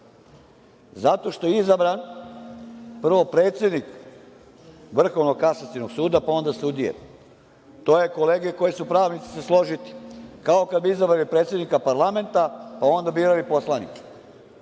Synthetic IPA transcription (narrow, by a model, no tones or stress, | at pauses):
zat̪o̞ʃt̪o̞jeizabɾan | pr̩ʋopɾe̞ːt̪sje̞d̪nik | ʋr̩xo̞ʋnoɡ̚kasat̪sino̞ɡsuːd̪apao̞nd̪aseud̪ijḛ | t̪oːjeko̞le̞ːɡeko̞jesupɾaːʋnit̪si̥se̞slo̞ʒit̪i̥kao̞kad̪̚biizabɾalipɾet̪sʲjed̪nikapaɾlˠame̞nt̪apao̞nd̪abiːɾalipo̞slˠanḭkḁ